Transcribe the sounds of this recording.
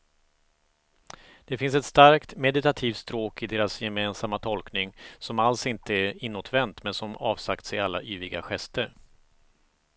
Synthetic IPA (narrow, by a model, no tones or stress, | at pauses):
d̪̥ɛfɪnsɛt̪st̪aɾkt̪mɛd̪ɪt̪at̪ʰiːft̪st̪ɾoːkɪd̪eːɾasjɛmeːnsamːat̪ʰɔlknɪŋsɔmalsɪnt̪əæɾɪnːɔt̪ʰvɛnt̪mɛnsɔmɑːvsakt̪sɛalːa̰ʔyːvɾɪɡa̰ɧɛst̪əɾ